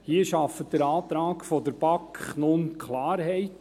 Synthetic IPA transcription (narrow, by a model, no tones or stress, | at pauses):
hiəʃɑfət̚d̥̪əɾɑːt̪ɾɑːkfɔdəɾb̥ɑkχnʊnkχlɑːɾɦɛɪt